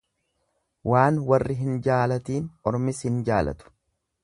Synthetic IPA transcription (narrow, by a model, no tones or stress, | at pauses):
waːnwɐrːɪɦɪnd͡ʒaːlɐt̪iːnɔɾmɪshɪnd͡ʒaːlɐ̰t̪ʊ̥